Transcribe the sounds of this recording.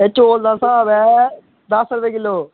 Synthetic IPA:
et͡ʃoːld̪aːsãːbɛː | d̪əsəɾʋeːkɪlːoː

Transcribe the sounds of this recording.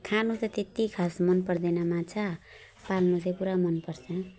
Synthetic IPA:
kʰanut͡sʌt̪et̪ikʰasmʌnpʌrd̪enamãt͡sʰa | palnut͡saj̃puɾamʌnpʌrt͡sʰʌ

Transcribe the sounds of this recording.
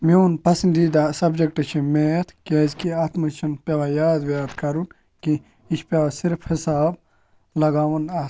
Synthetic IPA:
moːnpɐsɐnd̪iːd̪asɐbd͡ʒɐk̚ʈɐt͡ʃʰimeːt̪ʰkeːzkiaːt̪mɐt͡ʃʰɐnpʲɐʋajaːd̪ʋjaːd̪kɐɾun | ki | iʃpʲɐʋasiɾfʰhisaːb̚ | lɐɡaːʋɐna

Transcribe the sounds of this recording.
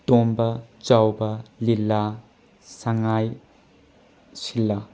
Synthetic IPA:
tombɐt͡ʃawbɐlilːa | saŋaj | silːɐ

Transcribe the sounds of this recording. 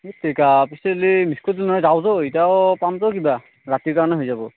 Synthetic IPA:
etʰːikapiselimiskʰɔdilnɔɦɔjzawzɔitiaɔpamtɔkiba | ɹatiɹkaɹɔnɛɦojzabɔ

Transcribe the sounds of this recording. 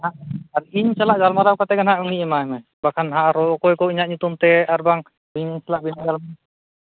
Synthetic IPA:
aaɾiɲsalaʔɡalmaɾawkat̪ɛɡanɦaʔuŋniʔɛmaɛmɛbakʰanɦaʔaɾɔɔkɔjkɔiɲaʔɲut̪umt̪ɛaɾbaŋ | biɲsalaʔbinaʔɡalma

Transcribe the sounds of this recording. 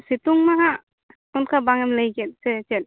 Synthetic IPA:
sit̪uŋmaɦa | unkʰabaŋɛmləjɡɛt̪̚sɛt͡ʃɛt̪̚ˀ

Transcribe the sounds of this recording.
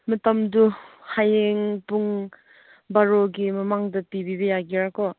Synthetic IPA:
mɐtɐmduhajeŋpuŋ | baɾoɡimɐmaŋdɐpibibɐjaɡiɾakɔ

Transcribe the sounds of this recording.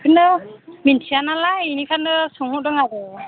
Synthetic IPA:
kʰɯndɯmintʰianalainikʰandɯsɔŋhɔdɯŋaɡɔ

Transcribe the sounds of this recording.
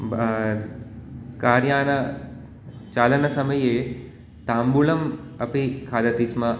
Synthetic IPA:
kaːɾjaːnɐ | t͡ʃaːlɐnɐsɐmɐje | t̪aːmbulɐmɐpikʰaːd̪ɐt̪ismɐ

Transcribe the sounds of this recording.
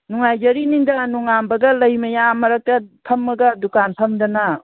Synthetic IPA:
nuŋajd͡ʒɐɾinindɐnuŋambɐɡɐlɐjmɐjamɐɾɐk̚tɐpʰɐmːɐɡɐdukanpʰɐmdɐna

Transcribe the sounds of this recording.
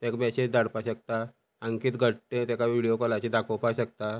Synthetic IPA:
t̪ekbɛɕed͡ʑd̪aɽpaɕək̚t̪a | aŋkiːt̪ɡʱəʈːẽt̪ɛkaʋiɽijokɔlat͡ɕid̪akʰowpaɕək̚t̪a

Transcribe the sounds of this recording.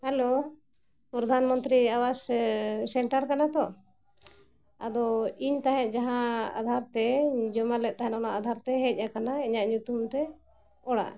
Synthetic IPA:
hɛlo | pɾɔd̪ʱanmənt̪ɾiawassɛɳʈaɾkanat̪ɔ | a̰d̪ɔiɲt̪aɦɛ̃ʔ̪̚d͡ʒaɦãa̰d̪ʱaɾt̪ɛd͡ʒɔmalɛt̪̚ˀt̪aɦɛnɔnaʔad̪ʱaɾt̪ɛɦɛc̚ˀakanaiɲaʔɲut̪umt̪ɛ | ɔɽa̰ʔ

